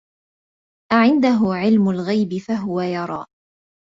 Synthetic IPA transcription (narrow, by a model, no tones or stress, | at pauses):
ʔaʕɪnd̪aɦʊʕɪlmʊlɣajbɪfaɦʊwajɑɾˤɑ̰ː